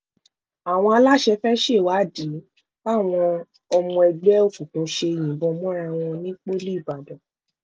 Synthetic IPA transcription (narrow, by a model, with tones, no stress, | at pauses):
a˨w̃ɔ̃˧a˧la˦ʃɛ˧fɛ˦ʃe˦˨wa˨˦˨di˨˦ | ba˦˨w̃ɔ̃˧ | ɔ˧mũ˧ɛ˧ɡ͡bɛ˦o˦˨fu˨tũ˨˦ʃe˧e˧˨j̃ĩ˨bɔ̃˧mɔ̃˦ɾa˧w̃ɔ̃˧nĩ˦k͡pe˦li˦i˦˨ba˨dɔ̃˨